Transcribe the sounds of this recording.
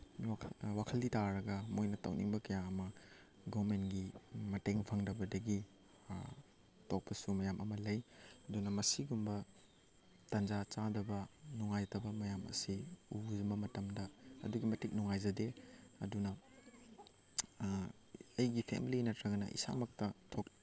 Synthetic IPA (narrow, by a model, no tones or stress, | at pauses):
awakʰɐlditaɾɐɡɐmojnɐtɐ̰wnḭŋbɐkɐjaɐmɐ | ɡomentɡimɐteŋpʰɐŋdɐbɐdɐɡi | tok̚pɐsumɐjamʔɐmɐlɐjɐdunɐmɐsiɡumbɐ | tɐnzat͡ʃadɐbɐnuŋajtɐbɐmɐjamɐ̰siuzmɐmɐtɐmdɐɐ̰duɡimɐtik̚nuŋajzɐdeɐ̰dunɐ | ɐjɡipʰḛmilinɐtɾɐɡɐnɐ̰ʔḭsa̰mɐk̚tɐtʰok̚